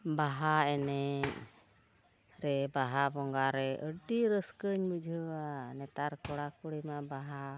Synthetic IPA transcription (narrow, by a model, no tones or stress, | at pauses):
baɦaɛnɛ | ɾɛbaɦabɔŋɡaɾɛʔəɖiɾəskəɲbəd͡ʒʱəanɛt̪aɾkɔɽakuɽimaʔbaɦa